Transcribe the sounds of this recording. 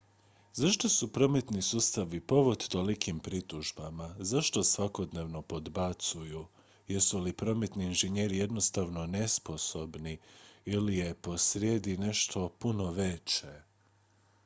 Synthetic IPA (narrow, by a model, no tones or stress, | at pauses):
zaʃt̪o̞supɾo̞met̪nisuːst̪aʋipo̞ʋod̪t̪olikimpɾit̪uʒbamazaʃt̪o̞sʋako̞d̪ne̞ʋno̞po̞d̪bat̪suju | jesulipɾo̞met̪niːnʒeɲe̞ːɾije̞d̪no̞st̪aʋno̞ne̞spo̞so̞bniilije̞po̞sɾjed̪ine̞ʃt̪ʰo̞puno̞ʋe̞t͡ɕe